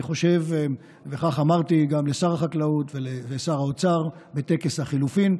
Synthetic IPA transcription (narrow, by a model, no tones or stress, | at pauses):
χo̞ʃev | veχaχamaʁt̪iɡamlesaʁaχaklautveleesaʁaot͡saʁbe̞t̪e̞keshaχilufin